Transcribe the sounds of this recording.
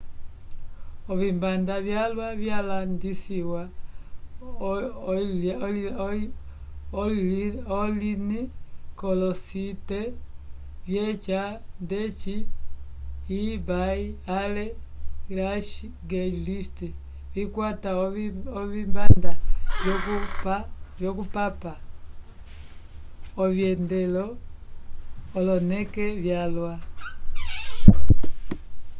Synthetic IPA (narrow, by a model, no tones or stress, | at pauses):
oβimbandaβjalwaβjalandisiwa | olinikolosite | βjet͡ʃandet͡ʃi | baialelaʃi | ɡɛd͡ʒlifti | βikwataɔβimbandakupvjɔkupapa | ɔvjɛndɛlɔ | lɔnɛkɛvjalwa